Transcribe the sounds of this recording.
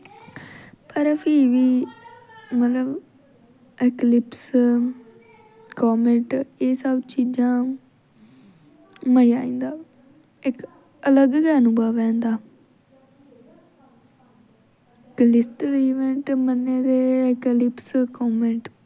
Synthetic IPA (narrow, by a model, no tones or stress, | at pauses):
pəɾpʰiːʋiː | mət̪ləb | eklɪps | koːmẽːɳʈeːsəbt͡ʃiːd͡ʒãː | məjaːĩːnd̪aː | ɪk | ələɡkɛːnubaːʋɛ̃ːnd̪aː | klɪsʈəɾiːʋẽɳʈmənːeːd̪eːɪklɪpskɔːmẽːɳʈ